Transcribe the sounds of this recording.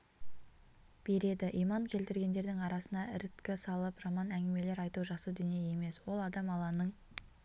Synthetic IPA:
b̥e̞ɾe̞d̪ɪʔijmɑŋkʲʰe̞lt̪ɪɾɡʲe̞nd̪e̞ɾd̪ɪŋɑɾɑsənd̪ɑɪɾɪt̪kʲɪsɑlˠəpʒɑmɑnæŋɡʲɪme̞le̞ɾɑjt̪uʒɑqsəd̪ʏnijeje̞me̞swo̞lˠɑd̪ɑmɑlˠɑnəɴ

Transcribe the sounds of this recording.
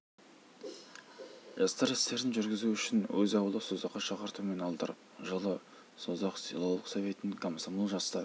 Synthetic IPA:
ʒɑst̪ɑɾɪst̪e̞ɾɪnʒʏɾɡʲɪzuʏʃɪnwɵzɑwəlˠəsozɑqːɑʃɑqəɾt̪uwme̞nɑlˠd̪əɾəp̚ʒəlˠə | sozɑqsḭlˠoəqsove̞t̪ɪnkʰomsomulˠʒɑst̪ɑ

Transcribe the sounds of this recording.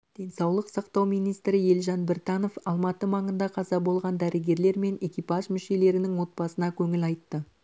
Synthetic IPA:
d̪̥e̞nsɑwlˠəqsɑqt̪ɑwmijnijst̪ɾɪje̞lʒɑnbɪɾt̪ɑno̞fɑlˠmɑt̪əmɑɴənd̪ɑqʰɑzɑbo̞lˠʁɑnd̪æɾɪɡʲe̞ɾle̞ɾme̞ne̞kʲijpɑʒmʏʃe̞le̞ɾɪnɪŋwo̞t̪̚bɑsənɑkʲʰɵŋɪlɑjt̪ːə

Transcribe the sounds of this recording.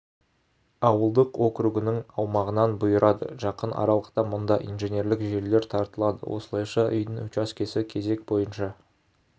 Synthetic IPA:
ɑwəlˠd̪əqo̞kɾuɡɪnɪŋɑwmɑʁənɑnbʊjəɾʔɑd̪ə̰ʒɑqənʔɑ̰ɾɑlˠəqt̪ɑmʊnd̪ɑʔḭjnʒenʲe̞ɾlɪkʒe̞ɾle̞ɾt̪ʰɑɾt̪əlˠɑd̪ə̰wʔo̞̰səlˠɑjʃɑʔʏjd̪ɪŋɵt͡ʃɑskʲʰe̞sɪkʲʰe̞ze̞k̚bo̞jənʃɑ

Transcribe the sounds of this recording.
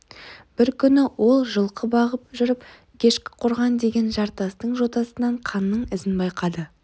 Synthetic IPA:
b̥ɪɾkʲʰʏnɪwo̞lˠʒəlˠqʰəbɑʁəp̚ʒʏɾɪp | kʲʰe̞ʃkʲɪ̥qʰʊɾʁɑnd̪e̞ɡʲe̞nʒɑɾt̪ɑst̪əɴʒo̞t̪ɑsənɑɴqʰɑnːəɴɪzɪnbɑjqɑd̪ə

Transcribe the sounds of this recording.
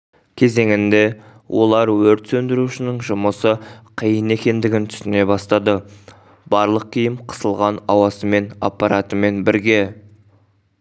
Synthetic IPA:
kʲʰe̞ze̞ŋɪnd̪e̞ | wʔo̞lˠɑɾwɵɾt̪sɵnd̪ɪɾuʃɪnɪŋʒʊməsəqʰijəne̞kʲe̞nd̪ɪɡʲɪnt̪ʰʏ̥st̪ɪne̞bɑst̪ɑd̪ə | b̥ɑɾlˠəq̚kʲʰijɪmqʰə̥səlˠʁɑnɑwɑsəme̞na̰pːɑɾat̪əme̞nbɪɾɡʲe̞

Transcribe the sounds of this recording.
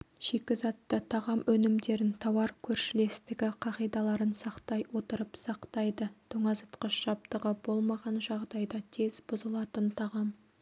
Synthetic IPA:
ʒ̥e̞kʲɪzɑt̪ːət̪ʰɑʁɑmʔɵnɪmd̪e̞ɾɪnt̪ʰɑwɑɾkʲʰɵɾʃɪle̞st̪ɪɡʲɪqʰɑʁijd̪ɑlˠɑɾənsɑqt̪ɑjwo̞t̪əɾəpsɑqt̪ɑjd̪ət̪ʰɵŋɑzət̪qəʃʒɑp̚t̪əʁəbo̞lˠmɑʁɑnʒɑʁd̪ɑjd̪ɑt̪ʰe̞zbʊzəlˠɑt̪ənt̪ʰɑʁɑm

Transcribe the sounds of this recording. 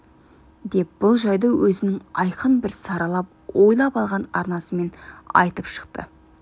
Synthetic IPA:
d̪e̞p̚b̥ʊlˠʒɑjd̪əwɵzɪnɪŋɑjqənbɪɾsɑɾɑlˠɑp̚ | wo̞jlˠɑpɑlˠʁɑnɑɾnɑsəme̞nɑ̰jt̪əpʃə̥qt̪ə̰

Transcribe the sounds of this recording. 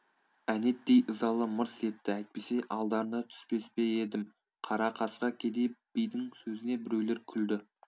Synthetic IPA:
æne̞t̪̚d̪ejʔəzɑlˠəməɾse̞t̪ːɪæjt̪̚pe̞se̞ʔɑlˠd̪ɑɾənɑt̪ʰʏ̥spe̞spe̞ed̪ɪm | qʰɑɾɑqʰɑsqɑkʲʰe̞d̪e̞b̥ijd̪ɪŋsɵzɪnebɪɾewle̞ɾkʲʰʏld̪ɪ

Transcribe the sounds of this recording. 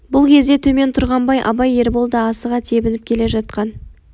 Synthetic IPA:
bʊlˠkʲʰe̞zd̪e̞t̪ʰɵme̞nt̪ʰʊɾʁɑnbɑjʔɑ̰bɑje̞ɾbo̞lˠd̪ɑːsəʁɑt̪ʰe̞bɪnɪp̚kʲʰe̞le̞ʒɑt̪̚qɑn

